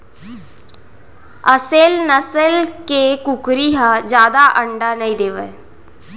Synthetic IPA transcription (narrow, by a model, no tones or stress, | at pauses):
əselnəsəlkekʊkɾiɦad͡ʒjaːd̪aʔəɳɖanəĩd̪eːʋə